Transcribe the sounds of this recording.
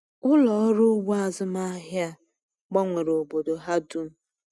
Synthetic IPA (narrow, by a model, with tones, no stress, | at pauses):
ʊ˦lɔ˨˦ɾʊ˦wa˦˨zʊ˦ma˦ɦja˦ | ɡ͡bɔ˦ŋʷe˨ɾo˨bo˨do˨ɦa˦du˦m̩˦